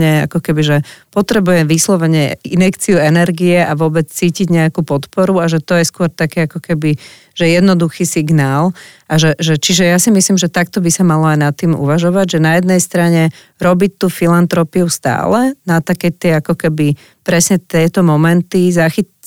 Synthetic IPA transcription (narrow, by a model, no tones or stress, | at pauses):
ɲɛa̰kɔkɛbiʒɛpɔt̪ɾɛbujɛmʋislɔʋɛɲɛinɛkt͡siuɛnɛɾɡiɛʔaʋʊɔbɛt͡st͡siːciɟɲɛakupɔt̪pɔɾuaʒɛt̪ɔjɛskʊɔɾt̪akɛakɔkɛbi | ʒ̥ɛjɛd̪nɔd̪uxisiɡnaːlʔaʒɛʒɛt͡ʃiʒɛjasimislimʒɛt̪akt̪ɔbisamalɔajnat̪ːiːmṵʋaʒɔʋaɟʒɛnajɛd̪nɛjst̪ɾaɲɛ | ɾɔbit̪ːuːfilant̪ɾɔpiust̪a̰ːlɛnat̪akɛt̪ɪɛakɔkɛbi | pɾɛsɲɛt̪ɪɛt̪ɔmɔmɛnt̪izaxi